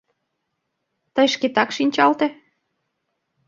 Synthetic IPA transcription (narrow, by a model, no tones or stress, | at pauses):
t̪əjʃket̪ɑkʃinʲt͡ɕɑlt̪e